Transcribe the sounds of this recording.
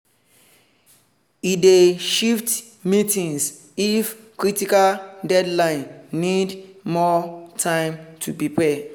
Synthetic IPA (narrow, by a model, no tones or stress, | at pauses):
ideʃift | mitĩŋs | if | kɹitikaldɛdlãɪ̃nːidmɔtʰãɪ̃mtʰupipɛ